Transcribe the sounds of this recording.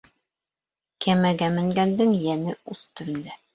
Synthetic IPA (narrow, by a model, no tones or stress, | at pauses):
kæmæɡæmɘ̆ŋɡænd̪ɘŋjænɘʉst̪ɵ̆ɾɘ̆nd̪æ